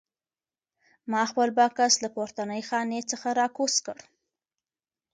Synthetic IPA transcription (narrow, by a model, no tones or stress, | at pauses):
mɑxpəlbɑkaslapoɾt̪anəjxɑnet͡səxaɾɑkoskəɽ